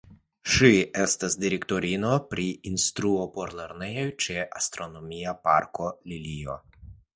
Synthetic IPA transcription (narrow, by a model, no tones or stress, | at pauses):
ʃie̞stasdiɾekto̞ɾino̞pɾiinst̪ɾuo̞po̞ɾleɾne̞jojt͡ʃeʔast̪ɾo̞no̞miapa̰ɾko̞lilio̰